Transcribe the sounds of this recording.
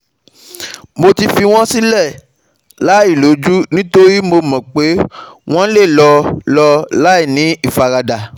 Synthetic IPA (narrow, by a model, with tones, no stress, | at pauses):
mo˧ti˧fi˧w̃ɔ̃˦si˦lɛ˦˨ | la˨˦i˦˨lo˨˦d͡ʒu˦nĩ˦to˦ɾi˦mo˧mɔ̃˨k͡pe˨˦w̃ɔ̃˦le˦˨lɔ˧lɔ˧la˦i˦˨nĩ˨˦i˦˨fa˧ɾa˧da˨